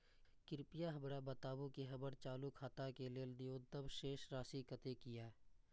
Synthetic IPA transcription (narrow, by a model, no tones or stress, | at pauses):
kɪɾpijaɦɐbɾabət̪aːbũkeɦəbəɾt͡ʃaːlukʰaːt̪akeleːld̪ijoːt̪əbʃeːʃɾaːsikət̪ekɪjaɦɛ